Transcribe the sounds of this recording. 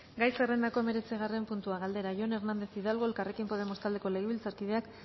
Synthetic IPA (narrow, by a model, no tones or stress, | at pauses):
ɡajsere̞nd̪ako̞eme̞ɾe̞t͡siɣare̞mpunt̪uaɣald̪e̞ɾaʝone̞ɾnand̪e̞θiðalɣo̞e̞lkare̞kimpo̞ð̞e̞most̪ald̪e̞ko̞le̞ɣ̞eβilt͡saɾkið̞e̞ak